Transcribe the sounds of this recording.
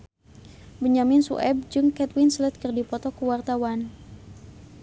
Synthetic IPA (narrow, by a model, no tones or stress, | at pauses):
bəɲamɪnsṵʔɛb̚d͡ʒɨŋkɛt̪winslət̪̚kərdipɔt̪ɔkuwart̪awan